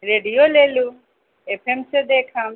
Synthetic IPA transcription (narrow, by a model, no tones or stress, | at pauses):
ɾeːɖijoːleːlu | epʰemsed̪eːkʰɐm